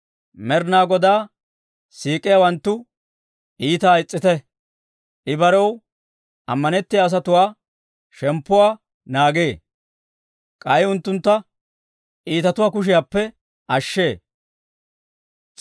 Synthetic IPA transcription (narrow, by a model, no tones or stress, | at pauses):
mɛɾnaːɡɔd̪aː | siːkʼːɪjaːwɐnt̪ːʊ | ʔiːt̪aɪt͡sʼːɪt̪ɛ | ʔɪbɐɾɔw | ɐmːɐnɛt̪ːɪjaːs̬ɐt̪ʊwaː | ʃɛmpːʊwaː | naːɡeː | kʼɐjʊnt̪ːʊnt̪ːɐ | ʔiːt̪ɐt̪ʊwaːkʊʃɪjaːpːɛ | ʔɐʃːe̞ː